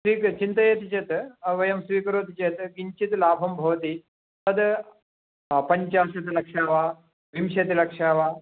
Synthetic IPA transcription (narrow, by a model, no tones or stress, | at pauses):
sʋiːkt͡ʃint̪ɐjet̪it͡ʃɐt̪ɐʋɐjɐmsʋiːkɐɾoːt̪it͡ʃet̪ɡiɲt͡ʃit̪laːbʱɐmbʱɐʋɐt̪i | t̪ɐd̪ | pɐɲt͡ʃaːʃɐt̪ilɐkʂaːʋaː | ʋimʃɐt̪ilɐkʂaːʋaː